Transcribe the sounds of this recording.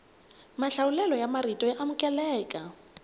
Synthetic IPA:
maɬaulɛlɔjamaɾitʼɔjaʔamʊkʼɛlɛːkʼa

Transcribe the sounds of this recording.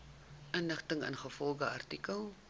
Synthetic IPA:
ʔənləχtəŋə̰nχəfɔlˠɡəɐ̰rtikəlˠ

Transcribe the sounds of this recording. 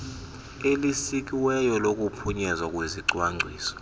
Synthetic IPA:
elisik̬ʼiwɛjɔlokʼupʰuɲɛzakʼweziǀwaŋ͡ǀʱwiːsɔ̥

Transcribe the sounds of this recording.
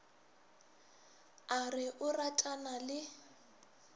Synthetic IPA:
arɪʔʊratʼanalɪ

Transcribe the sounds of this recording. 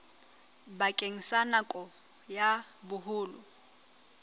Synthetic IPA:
bakʼeŋ̩sanakʼɔ | jabʊɦʊːlʊ

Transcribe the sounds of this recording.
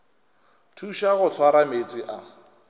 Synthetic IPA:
tʰuʃaɣʊt͡sʰwaɾamet͡sʼiʔa

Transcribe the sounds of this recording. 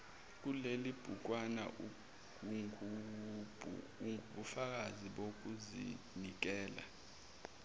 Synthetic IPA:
k̬ulelib̥ʱuk̬ʼwana̰u | ubʱu | uɓufak̬aziɓok̬uzḭ | nik̬ɛːla̰

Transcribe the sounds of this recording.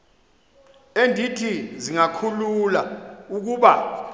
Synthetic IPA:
endʱitʰiziŋakʰululauk̬uːɓa

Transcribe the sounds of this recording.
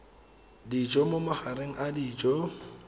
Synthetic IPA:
dit͡ʃʼɔmomaχaɾeŋ̩ʔadiːt͡ʃʼɔ

